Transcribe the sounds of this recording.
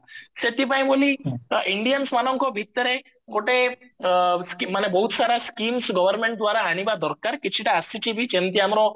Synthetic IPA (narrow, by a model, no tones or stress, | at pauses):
set̪ipaĩboliʔiɳɖijənsmanɔ̃ŋkobʱit̪ːəɾɦe | koʈe | skimanebəɦut̪saɾaskiːmsɡəʋəɾmẽɳʈ̚d̪ʋaɾaɦanibad̪ɔɾkaɾkit͡ʃʰiʈaːsit͡ɕibʱit͡ʃent̪iɦamɾo